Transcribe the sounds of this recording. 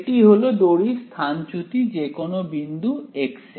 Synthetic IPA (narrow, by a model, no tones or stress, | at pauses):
ʈiɦolod̪oɽist̪ʰant͡ɕut̪id͡ʑekonobind̪ʱuekse